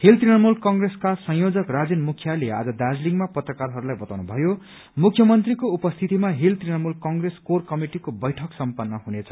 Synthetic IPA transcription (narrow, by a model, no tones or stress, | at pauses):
hilt̪rinʌmulkʌŋɡreskasʌ̃jjod͡zʌkrad͡zenmukʰjalea̰d͡zʌd̪ad͡zliŋmapʌt̪rʌkarɦʌɾulajbʌt̪awnubʱʌjo | mukʰjʌmʌnt̪rikoupʌst̪ʰit̪imaɦilt̪rinʌmulkʌŋɡreskorkʌmiʈikobʌjʈʰʌksʌmpʌnːʌɦunet͡sʰʌ̥